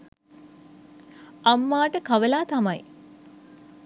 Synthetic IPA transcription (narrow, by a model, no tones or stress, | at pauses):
amːaːʈəkaʋəlaːt̪amaj